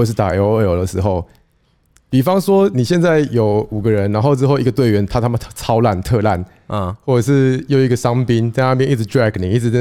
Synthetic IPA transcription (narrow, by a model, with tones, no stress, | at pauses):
ə˨˩ʂɻ̩˥˩t̪a̰˨˩jo˧˦ʊə˥˩jo˨˩ʊd̪ə˨˩ʂɻ̩˧˥xo˥˩ʊ | pi˨˩fɑ˥ŋswɔ˥ni˨˩ɕjɛ˥˧nt͡sa˥˩ɪjo˨˩ʊu˨˩ɡə˨˦ɻə˧˦nɻa˧˦nxo˥˧ʊʈ͡ʂɻ̩˥xo˥˩ʊi˧˥ɡə˧t̪we˥˩ɪɥɛ˧˥nt̪ʰa˥t̪ʰa˥mə˨˥t͡sʰɑ˥ʊla˥˧˨nt̪ʰɤ˥˧la˥˨˩n˧˨ | xwɔ˥˩ʈ͡ʂə˨˩ʂɻ̩˥˧jo˥˧ʊi˧ɡə˨sɑ˥ŋpi˦nt͡sa˥˧ɪna˥˧p̬jɛ˧ni˥˩˧ʈ͡ʂɹæ˥˩kni˨˩i˥˩ʈ͡ʂɻ̩˧˥˧